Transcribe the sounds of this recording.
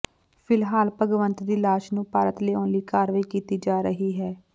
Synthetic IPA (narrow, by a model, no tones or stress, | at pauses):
fʰɪlɦaːlpəɡʋənt̪d̪iːlaːʃnũːpaːɾət̪leːoːnliːkaːɾʋaiːkiːt̪iːd͡ʒaːɾəɦiːɦɛː